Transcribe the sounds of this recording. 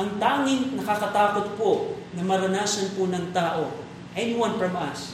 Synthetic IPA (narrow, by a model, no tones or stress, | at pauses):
ʔɐŋt̪aːŋɪŋnɐkakɐt̪aːkot̪̚ponɐmɐɾɐnaːsɐnponɐŋt̪aːʔo | ʔɛnɪwɐ̃nfɹɐmʔɐs